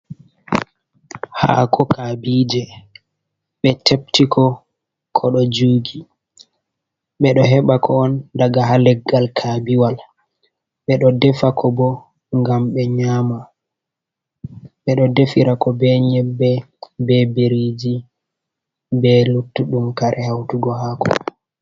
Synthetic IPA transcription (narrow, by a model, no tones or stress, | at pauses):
ha̰kʰɔkʰabiːd͡ʒɛ | ɓɛtʰep̚tikɔ | kʰɔɗɔd͡ʒuːɡi | ɓɛɗɔɦɛɓakʰɔːndaɡaɦalɛɡːalkʰabiwal | ɓɛɗɔdɛfakʰɔbɔ | ŋɡamɓɛɲama | ɓɛɗɔdefiɾakɔbɛɲɛbːɛ | bɛbeɾid͡ʒi | bɛlutːuɗumkaɾʔɛhawtuɡɔhakʰɔ̰